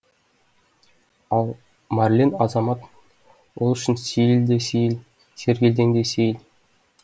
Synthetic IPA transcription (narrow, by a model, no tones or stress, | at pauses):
ɑlˠ | mɑrlʲenɑzɑmɑt̪ | wolˠʏʃɪnsʲejld̪esejl | se̞ɾɡʲe̞ld̪eŋd̪e̞sejɪl